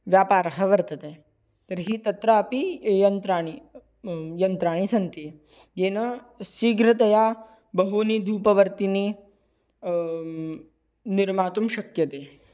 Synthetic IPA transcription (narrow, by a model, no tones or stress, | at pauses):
ʋjaːpaːɾɐɦɐʋɐɾt̪ɐt̪eː | t̪ɐɾɦiːt̪ɐt̪ɾɐɐpijɐnt̪ɾaːɳ̃i | jɐnt̪ɾaːɳ̃isɐnt̪i | jeːnɐ | siːɡɾɐt̪̬ɐjaː | bɐɦoːniːd̪ʱuːpɐʋɐɾt̪iniː | niɾmaːt̪umʃɐkjɐt̪eː